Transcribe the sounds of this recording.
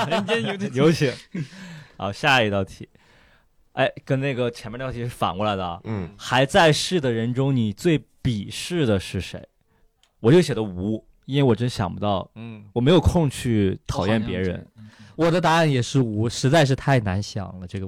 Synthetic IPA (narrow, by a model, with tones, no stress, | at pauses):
n˧˥˧njo˧˥ʊt͡ɕʰi˧˥ŋ | xɑ̰˧˥ɕja˥˧i˧˥t̪ɑ˥˩ʊt̪ʰi˨˩˦ | a˥˩ɪkə˥nne˥˩ɪɡə˩t͡ɕʰɛ˧˥mʰ˥˧˥i˧˥ʂ̩˥˩fa̰˨˩nkwɔ˧˥˩la˧˥ɪd̪ə˧ɐ̰˧˩xa˧˥ɪt͡sa˥˧ɪʂɻ̩˥˩d̪ə˩ɻə˧˥nʈ͡ʂʊ˥ŋni˨˩t͡swe˥˩ɪpi˨˩ʂɻ̩˥˩d̪ə˩ʂɻ̩˥˩ʂe˧˥ɪ | wɔ˨˩t͡ɕjo˥˩ʊɕjɛ˨˩d̪ə˦u˧˥ | i˥nwe˥˩wɔ˨˩ʈ͡ʂə˥nəɕjɑ˨˩ŋpu˧˥t̪ɑ˥˩ʊwɔ˨˩me˧˥ɪjo˨˩kʰʊ˥˧ŋt͡ɕʰy˥˩t̪ʰɑ˨˩ʊjɛ˥˩npjɛ˧˥ɻə̰˧˥nwɔ˨˩d̪ə˦t̪a˧˥a˥˩njɛ˨˩ʂɻ̩˥˩u˧˥ʂɻ̩˧˥t͡sa˥˧ɪʂ̬ɻ̩˥˧t̪ʰa˥˩ɪna˧˥nɕjɑ̰˨˩ŋlə˦ʈ͡ʂɤ˥˩ɡə˩